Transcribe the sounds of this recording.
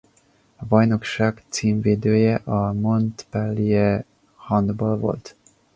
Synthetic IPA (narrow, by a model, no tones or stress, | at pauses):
ɒbɒjno̞kʃaːɡt̪siːɱveːd̪øːjɛʔɒmo̞nt̪pɛlːijɛ | hɒnd̪bolvo̞̰lt̪